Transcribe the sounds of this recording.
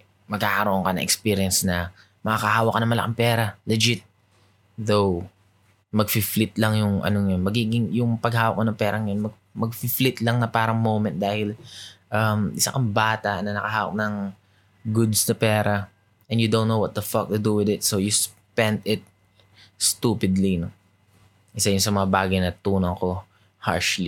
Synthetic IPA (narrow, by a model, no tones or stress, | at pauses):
mɐɡ̚haːkɐɾoʔoŋkɐnɐ̰ŋʔɛkspiːɾɪjɐnsnɐ | mɐakɐhaːwɐkːɐnɐmɐlɐ̰kɐŋpɛːɾɐlɛd͡ʒɪt̪̚ | ðow | mɐɡ̚fɪflɪt̪lɐŋjʊŋʔɐ̰noŋjonmɐɡiːɡɪŋjʊŋpɐɡhaːwɐk̚monɐŋpɛːɾɐŋɐjonmɐɡ̚ | mɐɡ̚fɪflɪt̪lɐŋnɐpaːɾɐŋmowmɛ̃nt̪̚d̪aːhɪlʔɐmʔɪsa̰ʔɐmbaːt̪ɐʔnɐnɐkɐɦaːwɐ̰k̚nɐŋ | ɡʊd̪snɐpɛːɾɐ | ʔɛnjʊd̪ownːowɐt̪̚d̪ɐfak̚t̪ʊd̪uwɪðɪt̪̚sowjʊs | pɛ̃nd̪ɪt̪̚ | st̪uːpɪd̪lino | ʔɪsajʊŋsɐmɐŋabaːɡɐjnɐt̪uːnɐŋko̞ | ha̰ɹʃli